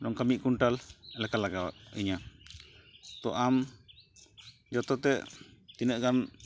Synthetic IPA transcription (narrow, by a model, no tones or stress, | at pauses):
ɖɔŋkamiʔ̚kuɳʈalɛlɛkalaɡawa̰ʔḭɲa | t̪ɔʔam | d͡ʒɔt̪ɔt̪ɛʔt̪inəʔkan